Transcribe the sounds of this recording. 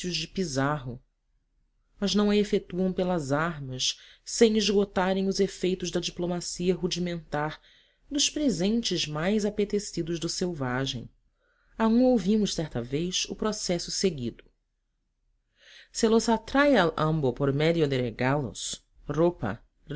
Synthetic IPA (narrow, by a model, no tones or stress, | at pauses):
ʊʒd͡ʒɪpizaɦʊ | mɐznɐ̃w̃ɐefet̪uɐ̃w̃pelɐzaɦmɐʃsẽj̃iʒɡot̪aɾẽj̃ʊzefejt̪ʊʒd̪ɐd͡ʒiplomasiɐɦud͡ʒimẽnt̪aɾ | d̪ʊʃpɾezẽnt͡ʃɪzmajzapet̪esid̪ʊʒd̪ʊsewvaʒḛ̃j̃ | aũowvimʊʃsɛɾt̪ɐvejsʊpɾosɛsʊseɡid̪ʊ | selosat̪ɾajaʔɐ̃mbopoɾmɛd̪iod̪eɾeɡalo̰s | ropɐ̰